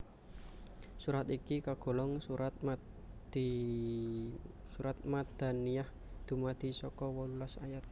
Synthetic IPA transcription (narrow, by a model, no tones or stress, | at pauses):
suɾat̪ikikaɡ̥ɔ̤lɔŋsuɾat̪̚ma | i | suɾat̪̚mad̪aniah | d̪̥umad̪isɔkɔwɔlulasajat̪̚